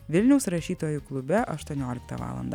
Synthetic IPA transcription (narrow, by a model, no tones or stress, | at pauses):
ʋʲɪlʲnʲɛʊsɾɐʃʲiːt̪oːjʊklˠʊbʲɛʔɐʃt̪uɔnʲoːlʲɪkt̪ɐ̰ʋɑ̰ːlˠɐ̰nd̪ɐ